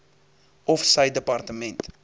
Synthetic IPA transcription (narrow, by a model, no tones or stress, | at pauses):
ɔfsɐjdəpɑrtəmɛnt